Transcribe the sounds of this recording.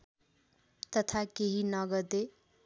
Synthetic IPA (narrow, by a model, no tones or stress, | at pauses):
t̪ʌt̪ʰakeɦinʌɡʌd̪e